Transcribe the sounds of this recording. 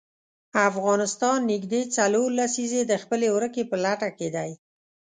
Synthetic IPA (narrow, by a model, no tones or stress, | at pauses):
afɣɑnɪst̪ɑnːɪɡd̪et͡saloɾlasized̪əxpəlewɾəkepəlaʈaked̪aj